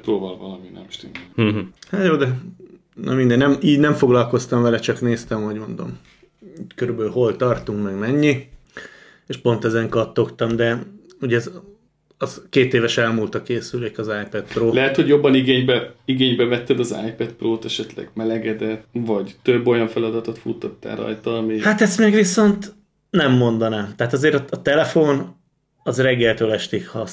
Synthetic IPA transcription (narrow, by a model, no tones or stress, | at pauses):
pɾoːvɒlvɒlɒminɛ̰mʃt̪yn | hat̪joːd̪ɛ | nʔɒ̰mind̪ɛnnɛmiːɟnɛɱfo̞ɡlɒlko̞st̪ɒɱvɛlɛt͡ʃɒkneːst̪ɛmho̞ɟmo̞nd̪o̞̰m | iːckøɾybɛylɦo̞lt̪ɒrt̪uŋkmɛɡmɛɲːi | eːʃpo̞nt̪ɛzɛŋkɒt̪ːo̞kt̪ɒmd̪ɛ | uɟɛz | ɒzkeːt̪eːvɛʃɛlmult̪ɒkeːsyleːkɒzaːjpɛt̪proːlɛɦɛt̪ho̞ɟjo̞bːɒniɡeːɲbɛiɡeːɲbɛvɛt̪ːɛd̪ɒza̰ːjpɛt̪proːt̪ɛʃɛt̪lɛ̰ɡmɛlɛɡɛd̪ɛt̪ːvɒɟt̪øbːo̞jɒɱfɛlɒd̪ɒt̪ot̪fut̪ːot̪ːa̰ːɾɒ̰jt̪ɒːmihat̪ɛst̪mɛɡʋiso̞nt̪ | nɛmːo̞nd̪ɒnaːmt̪ɛɦːt̪ɒzeːɾɒːt̪ɛlɛfon | ɒzrɛɡːɛlt̪øːlɛʃt̪ikhɒ